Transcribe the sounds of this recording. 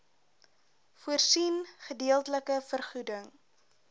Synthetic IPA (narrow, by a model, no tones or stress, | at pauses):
fuərsinχədiəlˠtələkəfərχudəŋ